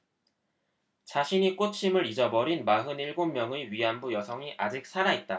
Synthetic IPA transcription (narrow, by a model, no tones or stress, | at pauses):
t͡ɕaɕʰiɲik͈ot͡ɕʰimɯɾid͡ʑʌbʌɾinmaɦɯniɭɡommːjʌŋeɥiɦanbujʌsʰʌŋiʔad͡ʑik̚s͈ʰaɾait̚t͈a